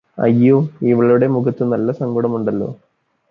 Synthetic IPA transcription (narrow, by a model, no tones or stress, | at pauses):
ɐ̰jːoiʋiɭɐuɽe̞muɡɐt̪ːɨnɐlːɐsɐŋɡoɽɐmuɳɖɐlːo̞̰ː